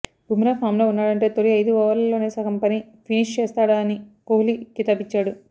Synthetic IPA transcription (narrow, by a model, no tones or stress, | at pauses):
bʱumɾaːpʰaːmloːunːaːɽɐɳʈe̞ːt̪oɾiɐjd̪uɔʋɐɾllːo̞ːne̞ːsɐkɐmpɐni | pʰiniʂt͡ʃɛːst̪aːɽaɐnikoːlikːit̪ɐbit͡ʃːaːɽu